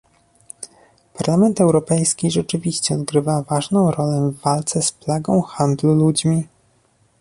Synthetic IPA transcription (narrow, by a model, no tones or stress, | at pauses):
paɾlamɛnt̪ɛwɾɔpɛjskʲiʐɛt͡ʂɘvʲiɕt͡ɕɛɔd̪ɡɾɘvavaʐnɔ̃w̃ɾɔlɛvːalt̪sɛsplaɡɔ̃w̃xand̪lulud͡ʑmʲi